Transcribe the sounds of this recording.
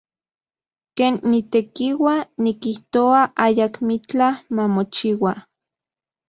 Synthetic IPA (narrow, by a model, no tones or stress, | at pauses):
keːnːit̪ekiwanikiht̪oaʔajakmit͡ɬamamot͡ʃiwa